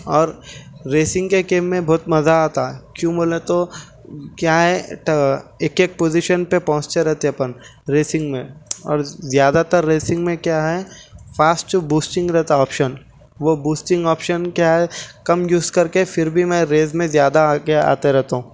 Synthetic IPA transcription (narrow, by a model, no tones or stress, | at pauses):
ɔːɾːeːsɪ̃ŋɡkekeːmːẽbɔːt̪mɐzaaːt̪aɛkjũːboːlet̪o | kjaːɦɛʈeːkeːk̚poːzɪʃənpepɐɦʊ̃t͡ʃt̪eɾɛɦt̪eɐpənɾeːsɪ̃ŋɡmẽɔ̰ːɾzjaːd̪at̪əɾːeːsɪ̃ŋɡmẽkjaːɦɛfaːsʈt͡ʃobuːsʈɪ̃ŋɡɾɛɦt̪aɔːpʃən | ʋobuːsʈɪ̃ŋɡɔːpʃənkjaːɦɛkɐmjuːzkɐɾkefɪɾbʱimɛ̃ɾeːzmẽzjaːd̪akea̰ːt̪eɾɛɦt̪aɦũː